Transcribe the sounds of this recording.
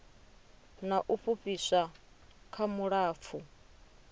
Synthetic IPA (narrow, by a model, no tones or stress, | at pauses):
naʔuɸuɸʼisa | kʰamuɺaːp̪fʰu